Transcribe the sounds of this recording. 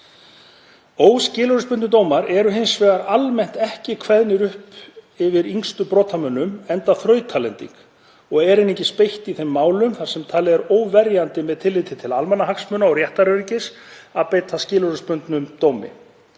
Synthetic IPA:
oːwscɪːlɔɾʏspʏnnʏt̪̬oːwmaɾɛɾʏɦɪnsvɛːɣaɾalmɛn̥t̪ɛhcɪkʰvɛðnɪɾʏhp | ɪvɪɾiŋst̪ʏpɾɔːt̪ʰamœnːʏmɛnt̪aθɾœːɥt̪ʰaːlɛnt̪ḭŋk | ɔɣɛɾɪneɲcɪspejht̪iθejmːaːwlʏmθaɾ̥sɛmt̪ʰaːlɪɛɾoːwvɛɾjant̪ɪmɛðt̪ʰɪlːɪt̪ɪt̪ʰɪlalmɛnːaɦaksmœʏnaɔwɾjɛht̪aɾœɾicɪsaðpejt̪ʰascɪːlɔɾʏspʏnt̪nʏmt̪oːwmɪ̰

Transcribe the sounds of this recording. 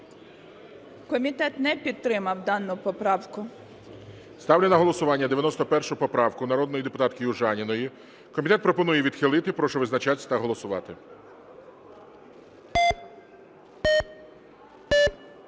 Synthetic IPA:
kɔmʲit̪ɛt̪nɛpʲid̪̚t̪ɾɪmɐwd̪ɑnːʊpɔpɾɑwkʊ | st̪ɑwlʲenɐɦɔlˠɔsʊʋɑnʲːɐd̪eʋʲjɐnɔst̪ɔpɛrʃʊpɔpɾɑwkʊnɐɾɔd̪nɔjid̪epʊt̪ɑt̪kɪjuʒɑnʲinɔji | kɔmʲit̪ɛt̪pɾɔpɔnujɛʋʲid̪xɪlˠɪt̪ɪpɾɔʃɔʋɪznɐt͡ʃat̪ʲsʲt̪ɐɦɔlˠɔsʊʋɑ̰t̪ɪ

